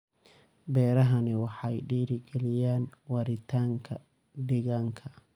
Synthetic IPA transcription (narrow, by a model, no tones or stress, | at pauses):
bɛːɾɐɦɐnɪwɑħɑjɖiːɾɪɡɛlɪjaːnwɑɾɪt̪ʰaːŋkʰɐ̰ | ɖɪɣaːŋkʰɐ